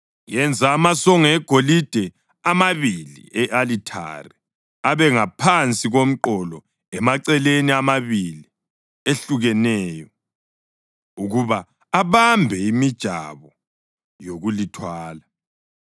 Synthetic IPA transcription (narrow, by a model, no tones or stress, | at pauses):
jɛnd͡zʱaːmasɔŋɛɡ̥ʱolid̥ʱɛ | amaβilḭɛʔalitʰa̰ri | aβɛŋapʰant͡sʼiɣom̩ǃɔlɔ | ɛmaǀɛleniamaβili | eɬuɣɛnɛːjɔ | uɣuβaː | βambʱɛimid̥ʒ̥ʱa̰βɔ | joɣulitʰwaːla